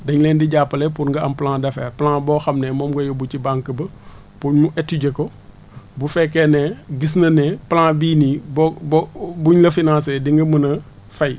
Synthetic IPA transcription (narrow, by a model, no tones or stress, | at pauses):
dɐɲlɛːndiɟaːpːɐlɛpuɾŋɡɐɐmplãːdɐfɛ̰ːplãːbɔːxɐmnɛmɔmɡojobut͡ʃibãŋkəbɐ | pumuʔɛtːuɟɛko | bufɛkːɛnɛɡis̬nɐnɛːplãːbiːnibbbuɲlɐfinãːsɛdiŋɡɐmənɐ | fɐj